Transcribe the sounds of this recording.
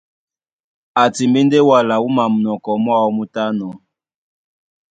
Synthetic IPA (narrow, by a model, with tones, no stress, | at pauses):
a˨ti˨mbi˦nde˦wa˨la˨u˦ma˨mu˨nɔ˨kɔ˨mwa˦wɔ˦mu˦ta˦nɔ˨